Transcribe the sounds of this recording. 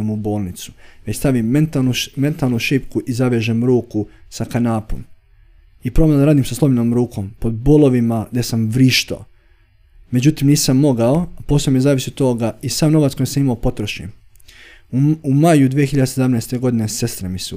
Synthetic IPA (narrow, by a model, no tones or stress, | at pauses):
mubo̞ːlˠnit̪su̥ʋet͡ɕst̪aʋimːent̪alnume̞nt̪aːlˠnuʃipkuʔizaʋjeʒemɾuːkusakanaːpo̰m | ipɾoblnd̪aɾaːd̪imsaslo̞binoːmɾuːkʰo̞mpo̞d̪̚boːlˠo̞ʋimaɡd̪esamʋɾiːʃt̪a̰o | me̞d͡ʑut̪imniːsamːo̞ɡao̞po̞ːsamiezaːʋisiot̪ːoːɡaisaːmno̞ʋat̪skojesamimaopo̞t̪ɾoʃɲem | umajud̪ʋijexiʎad̪eseamnest̪e̞ɡo̞d̪inese̞st̪ɾemisu